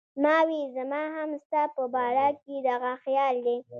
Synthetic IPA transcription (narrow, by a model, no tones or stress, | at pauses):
mɑwizamɑɦamst̪apəbɑɾaked̪aɣaxjɑld̪e